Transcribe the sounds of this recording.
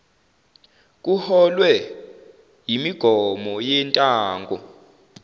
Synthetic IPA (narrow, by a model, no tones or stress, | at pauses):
k̬ʼuhɔlwɛ | jimiɡ̥ʱɔmɔjɛntʼaːŋɡʱɔ